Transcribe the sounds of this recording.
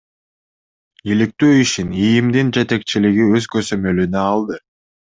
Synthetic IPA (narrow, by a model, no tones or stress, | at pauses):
ilik̚t̪øːiʃinijimd̪ind͡ʒe̞t̪e̞k̚t͡ʃiliɡiø̞zɡøzø̞mø̞lynøɑlˠd̪ɯ